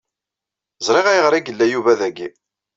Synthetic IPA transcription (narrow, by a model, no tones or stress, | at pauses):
zˤɾˤɪʁæjʁɾˤiɡəlːæjuvæðæɡi